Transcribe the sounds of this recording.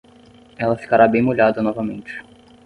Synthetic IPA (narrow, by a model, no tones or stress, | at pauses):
ɛlɐfi̥kaɾabẽj̃moʎad̪ɐnɔvɐmẽnt͡ʃɪ̥